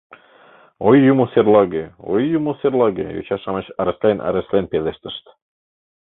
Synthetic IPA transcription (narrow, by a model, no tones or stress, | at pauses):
ojːumoserlˠɑɡeo̰jːumoserlˠɑɡḛjo̰t͡ɕɑʃɑmɤɕɑɾeslenʔæ̰ɾeslenpeleʃt̪ə̥̆ʃt̪